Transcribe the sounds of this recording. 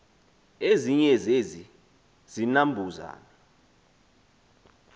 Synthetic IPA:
eziɲɛzezi | z̥inambʱuza̰ːna

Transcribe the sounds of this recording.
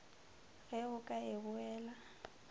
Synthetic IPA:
ɣɛʊkʼaɪbʊɛːla

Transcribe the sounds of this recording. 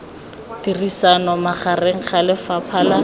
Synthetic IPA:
d̥irisanɔmaχareŋ̩χʰalɪfapʰaːla

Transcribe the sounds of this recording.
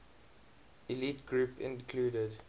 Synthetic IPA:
ilitɡɹupɪ̰̃nkʰluːdəd

